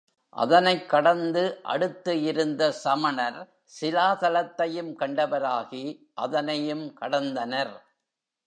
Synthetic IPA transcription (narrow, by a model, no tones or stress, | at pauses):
ʔɐ̰ðɐnɐɪkːɐɽɐnd̪ɯʔɐ̰ɽɯt̪ːɯɪɾɯnd̪ɐsɐmɐnɐɾ | sɪlaːt̪ɐlɐt̪ːɐjɯmkɐɳɖɐʋɐɾaːɣi | ʔɐðɐnɐjɯmkɐɽɐnd̪ɐnɐɾ